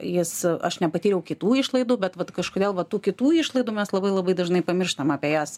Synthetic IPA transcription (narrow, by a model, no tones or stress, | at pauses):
jɪsɐʃnʲɛpɐt̪ʲiːɾʲɛʊkʲɪt̪uːɪʃlˠɐɪd̪uːbʲɛt̪ʋɐt̪kɐʃkoːd̪ʲeːlˠʋɐt̪uːkʲɪt̪uːɪʃlˠɐɪd̪uːmʲɛslˠɐbɐɪlˠɐbɐɪd̪ɐʒnɐɪpɐmʲɪrʃt̪ɐmɑːpʲejæːs